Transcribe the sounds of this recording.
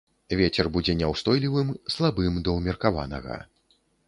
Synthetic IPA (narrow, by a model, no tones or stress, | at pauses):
vʲet͡sʲɛrbud͡zʲɛnʲɛwst̪ɔjlʲivɨmslˠabɨmd̪ɐwmʲɛrkava̰nɐ̰ɣɐ̰